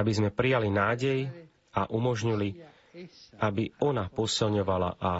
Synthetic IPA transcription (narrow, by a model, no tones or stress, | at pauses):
abizmɛpɾijalinaːɟɛj | aʔumɔʒɲili | abiɔnapɔsilɲɔʋala̰ʔa